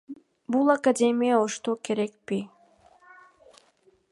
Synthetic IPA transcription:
bulˠakadʲe̞mʲijaoʃt̪oke̞ɾe̞k̚pi

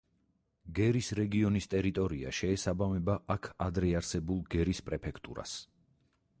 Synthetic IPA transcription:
ɡɛɾisɾɛɡiɔnist̪ʼɛɾit̪ʼɔɾia̰ʃɛːsabamɛbaʔakʰad̪ɾɛaɾsɛbulˠɡɛɾispʼɾɛpʰɛkʰt̪ʼṵɾa̰s

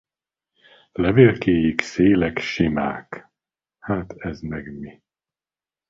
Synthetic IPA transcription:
lɛveːlkeːjikseːlɛkʃima̰ːk | haːt̪ʰɛzmɛɡmi

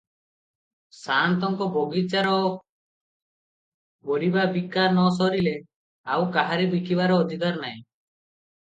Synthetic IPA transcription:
sant̪ɔŋkɔbɔɡit͡ʃaɾɔ | bɔɽibabikanɔs̬ɔɾile | awkaɦaɾibikiβaɾɔːd̪ʱikaɾnaj̃

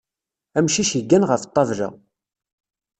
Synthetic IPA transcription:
æmʃiʃəɡːænʁəft̪ˤːɑvɾæ̰

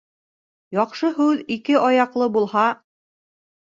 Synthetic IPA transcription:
jɒqʃɤɦʉðikɘʔɒjɑqlˠɤbulˠhɑ

